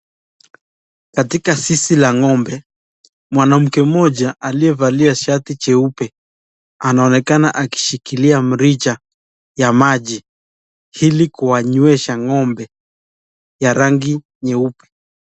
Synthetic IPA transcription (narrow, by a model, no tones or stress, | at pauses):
katikasisilaŋɔmbɛ | mwanam̩kɛmɔʄaʔaliɛvaliaʃatit͡ʃɛupɛ | anaɔnɛkanaʔaki̥ʃikiliam̩ɾit͡ʃa | jamaʄi | hilikuwaɲuɛʃaŋɔmbɛ | jaɾaŋɡi | ɲɛupɛ̥